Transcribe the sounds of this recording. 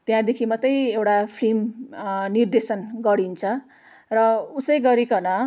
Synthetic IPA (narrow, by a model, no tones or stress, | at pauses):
t̪jãd̪ekʰimʌt̪ːʌjewʈapʰrimnird̪esʌnɡʌɽint͡sʰʌ | rʌusʌjɡʌɾikʌnʌ